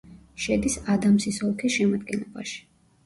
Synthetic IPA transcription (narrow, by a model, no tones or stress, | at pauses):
ʃɛd̪isad̪amsisɔlˠkʰisʃɛmad̪̚ɡɛnlɔba̰ʃi̥